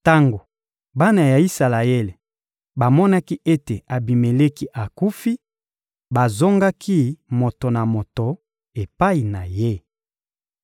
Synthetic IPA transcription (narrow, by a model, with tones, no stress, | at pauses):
ta˦ŋɡo˨ | ba˦na˨ja˨i˦sa˨la˨e˦le˨ | ba˨mɔ˦na˦ki˦ʔe˦te˨a˨bi˨me˨le˦ki˦ʔa˨ku˦fi˦ | ba˨zo˦ŋɡa˦kʰi˦mo˨to˨na˨mo˨to˨ | e˨pa˦i˨na˨je˦